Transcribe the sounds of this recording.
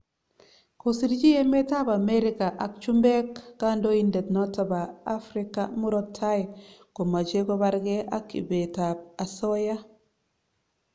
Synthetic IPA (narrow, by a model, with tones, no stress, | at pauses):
kosi˦ɾd͡ʒi˦je˦me˦ta˦ba˨me˦ɾi˦ka˨ʔa˨k̚t͡ʃu˦mbe˦kːa˦ndo˦inde˨tno˦ta˨ba˨a˦fɾi˦kamu˦ɾo˦tʰːa˦jko˨ma˨t͡ʃe˦ko˦ba˦ɾɡe˦ʔa̰˦kːḭ˨be˨ta˨b̚a˨so˦ja˦